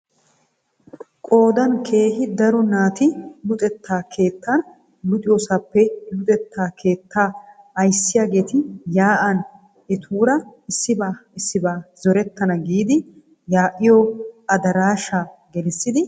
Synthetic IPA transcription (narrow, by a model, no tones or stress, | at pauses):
kʼo̞ːd̪ɐnkʰe̞ːhɪd̪ɐɾɔnaːt̪ɪlʊt̪ʼɛt̪ːaːkʰe̞ːt̪ːɐn | lʊt̪ʼɪjosɐpːɛjʊt̪ʼɛt̪ːaːkʰe̞ːt̪ːaː | ɐjsːɪjaːɡe̞ːt̪ɪjaːʔɐn | ɛt̪ʰuːɾɐɪsːɪbaːɪsːɪbaːzɔɾɛt̪ːɐnɐɡiːd̪ɪ | jaːʔɪjɔɐd̪ɐɾaːʃaːɡɛlɪsːɪd̪ɪ